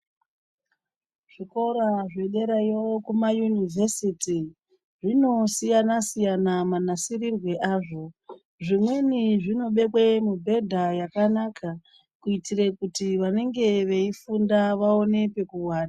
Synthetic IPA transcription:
ʐ̥iko̞ɾaʐe̞ɗe̞ɾajewokumajunivʱe̞siti | ʐino̞sijanasijanamanasirirwe̞ʔaːʐo̞ | ʐimwe̞niʐino̞ɓe̞kwemubʱe̞dʱajakanakʰa | kuitirekutiʋane̞ŋɡe̞ʋe̞ifundaʋao̞ne̞pe̞kuwaːna

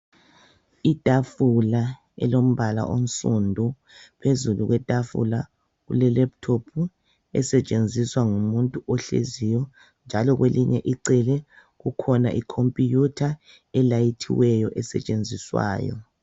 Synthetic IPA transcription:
itʼafula | ɛ̰lom̩βala̰ʔon̩sʼundʱu | pʰezuluɣwɛtʼafṵla | ɣṵlɛlɛp̚tʰopʰu | ɛ̰sɛt͡ʃʼend͡zʱiswaŋumuntʼuɔɬḛzijɔ | nd͡ʒʱalɔɣweliɲɛʔiǀɛlɛ | ɣukʰɔnaʔikʰompʼijutʰa | ɛlajitʰḭwɛjɔʔɛsɛ̰t͡ʃʼend͡zʱiswa̰ːjɔ̰

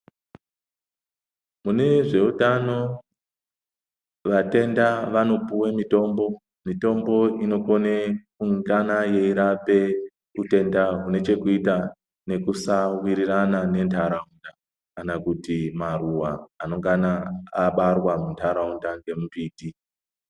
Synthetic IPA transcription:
mune̞ʐe̞utano̞ | ʋate̞ndaʋano̞puwemito̞ːmbo̞ | mito̞mbo̞ino̞ko̞ne | uŋɡanaje̞iɾape̞ | ute̞ndaɦune̞t͡ʃe̞kuita | ne̞kusawiɾiranane̞ntʰaɾaunda | kanakutimaruwaːno̞ŋɡanaːɓarwamuntʰaɾaundaŋɡe̞mupiːti

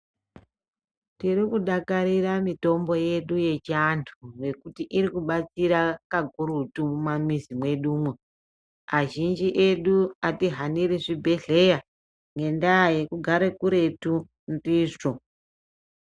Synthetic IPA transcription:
tiɾikuɗakaɾiɾamito̞mbo̞je̞ɗuje̞t͡ʃantʰure̞kutiʔiɾikuɓat͡siɾakaɡʱuɾutumumamizimwe̞ɗuːmu | aʒind͡ʒiʔe̞ɗuatiɦaniɾiʐibʱe̞ɮe̞ja | ŋɡe̞ndaje̞kuɡʱaɾekuɾe̞tu | ndiːʐo

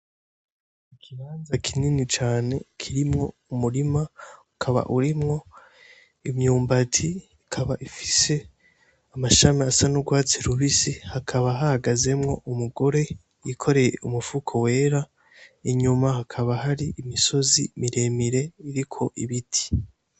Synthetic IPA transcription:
ikʰihaːnzakʰininit͡ʃaːne̞kʰiɾimŋo̞ | umuɾimaukʰaβa̰ʔuɾimŋo̞ | imɲuːmbatʰiː | kʰaβaʔifi̥se̞ | amaʃamiasanuɡwaːt͡siɾuβisihakʰaβaɦahaɡaze̞mŋo̞ʔumuɡo̞ɾe̞ | jikʰo̞ɾe̞jeumufukʰowe̞ːɾa | iɲumahakʰaβaɦaɾiʔimiso̞zimiɾe̞miɾe̞iɾikʰo̞ʔiβitʰi̥

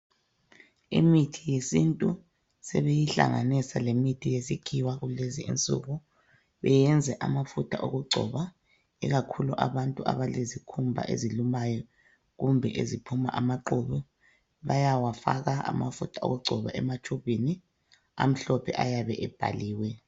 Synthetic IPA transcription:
ḭmitʰijesintʼu | sɛβejiɬa̰ŋanisalemitʰijesikʰiwaɣuleziḭnt͡sʼṵɣu | βɛjɛnd͡zʱɛʔamafutʰaʔoɣuɡ͡ǀʱɔ̰βa | ɛ̰ɣakʰuluʔa̰βantʼua̰βalezikʰumbʱa̰ʔḛzilumajɔ | ɣumbʱɛʔezipʰumaʔamaǃuβɛ | βajawafa̰ɣaa̰mafutʰao̰ɣuɡ͡ǀʱɔβaʔɛmat͡ʃʰʼuβini | a̰m̩ɬɔpʰɛ̰ʔajaβɛʔɛb̥ʱa̰liːwɛ

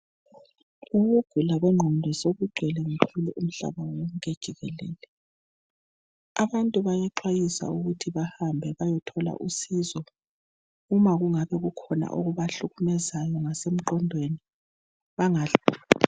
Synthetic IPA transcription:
uɣuɡ̥ʱulaɣɛŋ͡ǃʱɔndʱɔsoβuɡ͡ǃ̥ʱɛlɛŋupʰuliʔum̩ɬa̰βawɔŋked̥ʒ̥ʱiɣɛlɛːlɛ | aβantʼuβajɛǃwajisa̰uɣutʰiβahambʱɛβajɔtʰɔla̰ʔusizɔ | umaɣuŋaβɛɣukʰɔna̰ʔuɣuβaɬuɣumɛzajɔŋasem̩ǃɔndʱweni | βaŋa

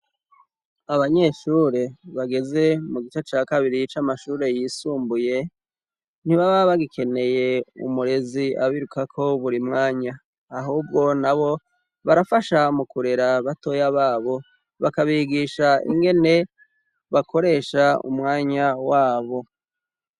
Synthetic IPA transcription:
aβaɲe̞ʃuːɾe̞βaɡe̞ze̞muɡit͡ʃet͡ʃaːkaβiɾit͡ʃamaʃuːɾe̞jisuːmbuje̞ | n̥iβaβaβaɡikʰe̞ne̞je̞ṵmuɾe̞zia̰βiɾukakʰo̞βuɾimŋaːɲaː | ɦuːb̚ɡo̞naβo̞ | βaɾafaʃamukuɾe̞ɾaβato̞jaβaːβo̞ | βakaβiɡiʃaḭŋɡe̞ne̞ | βakʰo̞ɾe̞ːʃaṵmŋaːɲawaːβo̞

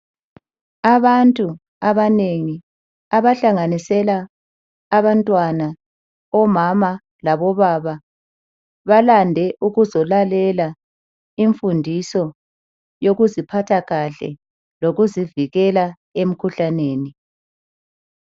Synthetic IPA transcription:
aβantʼu | aβaneŋi | aβaɬaŋanisɛlaː | βantʼwana | ɔmama | laβɔβaβa | βalandʱɛʔuɣuzɔlalɛla | iɱfundʱisɔ | joɣuzipʰatʰaɣaɬɛ̰ | loɣuziviɣɛla | em̩kʰuɬaneːni

